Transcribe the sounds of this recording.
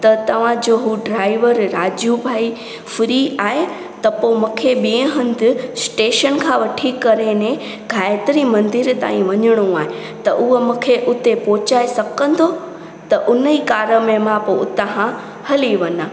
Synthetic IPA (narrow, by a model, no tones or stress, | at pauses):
t̪ɐt̪ɐʋ̤ãd͡ʑoːɦuɖɾaːiʋəɾːaːd͡ʑjubʱaːi | fɪɾiaːɦe | t̪ɐpomũːkʰeɓiẽɦɐ̃nd̪ɪ̆sʈeːʃənkʰãʋɐʈʰikɐɾenẽ | ɡʱaːɪt̪ɾimɐ̃nd̪ɪɾt̪a̰ːĩʋɐɲəɽ̃ũaːɦe | t̪ɐʔʊɦəmũːkʰeʔʊt̪epoːt͡ɕaːesɐkə̃nd̪o | t̪ɐʔʊnəikaːɾəmẽmãpoʊt̪ãɦã | hɐliʋɐna